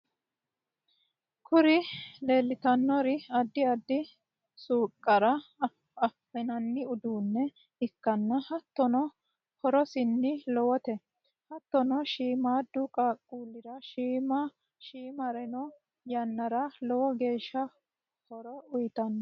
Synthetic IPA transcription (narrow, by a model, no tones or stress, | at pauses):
kʰʊɾɪleːlːɪt̪ɐnːɔɾɪɐd̪ːɪɐd̪ːɪ | suːkʼːɐɾɐ | ɐfːɛnɐnːɪʊd̪uːnːɛ | ɪkːɐnːɐhɐt̪ːɔnɔ | hɔɾɔsɪnːɪlɔwɔt̪ɛ | hɐt̪ːɔnɔʃiːmaːd̪ʊkʼaːkʼːuːlːɪɾɐʃiːmɐ | ʃiːmɐɾɛnɔ | jɐnːɐɾɐlɔwɔɡe̞ːʃːɐ | hɔɾɔʊjt̪ɐnːɐ